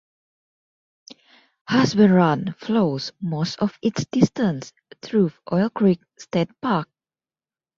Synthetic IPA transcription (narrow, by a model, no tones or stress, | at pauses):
haswɛɹãnflosmostɔfitsd̥istə̃ns | tʰɹuʔɔjlkʰɹik̚stɛd̚pak̚